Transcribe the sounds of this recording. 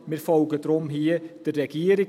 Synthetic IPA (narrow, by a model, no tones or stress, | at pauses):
mɪɾfɔlɡəd̥̪ɾʊmɦiəd̥ərːɛɡ̥iːəɾɪ